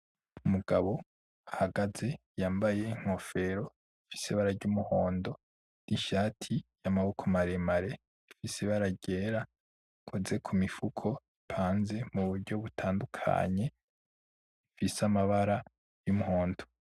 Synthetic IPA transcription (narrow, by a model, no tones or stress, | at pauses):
umuɡaβo̞ | ahaɡaze̞ | jaːmbaje̞iŋ̥o̞fe̞ɾo̞ | ifi̥seβaɾaɾɟumuho̞ːndo̞ | n̥iʃaːtʰijamaβukʰomaɾemaɾe̞ | ifiseβaɾaɟe̞ːɾa | kʰoze̞kʰumifukʰo̞ipʰaːnze̞muβuɾɟo̞βutʰaːndukʰa̰ɲe̞ | ifisamaβaɾa | jumuho̞ːnto̥